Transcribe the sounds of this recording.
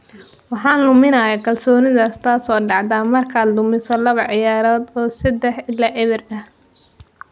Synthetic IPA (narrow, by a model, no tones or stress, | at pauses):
wɑħɑːnlʊmɪnɐjɐkʰɐlsɔːnɪðaːst̪ʰaːsɔːɖɑʕd̪aːmɐrkʰaːd̪lʊmɪsɔlɐβɐʕɪjaːɾɔːd̪ɔːsɐd̪ɛħɪlːaːʔɛβɪrɐh